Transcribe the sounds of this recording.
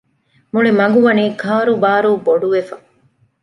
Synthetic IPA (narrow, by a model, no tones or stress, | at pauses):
muɭimɐŋɡuʋɐniːkʰaːɾubaːɾuːboɖuʋefɐ